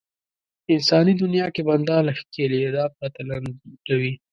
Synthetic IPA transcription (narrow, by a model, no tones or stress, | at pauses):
ɪnsɑnid̪ʊnjɑkeband̪ɑlxkelid̪ɑp̚ɑt̪eland̪awi